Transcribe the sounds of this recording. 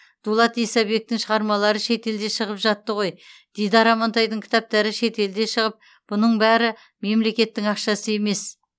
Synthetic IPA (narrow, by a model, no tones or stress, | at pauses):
d̪̥ulˠɑt̪ijsɑbe̞k̚t̪ɪŋʃəʁɑɾmɑlˠɑɾəʃe̞t̪e̞ld̪e̞ʃəʁəpʒɑt̪ːəʁo̞jd̪̥ejd̪ɑɾɑmɑnt̪ɑjd̪əŋkʲʰɪ̥t̪ɑp̚t̪ɑɾɪʃe̞t̪e̞ld̪e̞ʃəʁəp̚ | b̥ʊnəɴbæɾɪ | me̞mle̞kʲe̞t̪ːɪŋɑqʃɑsəe̞me̞s